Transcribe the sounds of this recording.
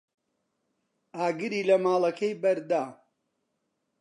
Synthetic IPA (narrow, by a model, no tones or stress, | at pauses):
aːɡɨɾiːlɐmaːlˠɐkʰɐjbɐɾd̪aː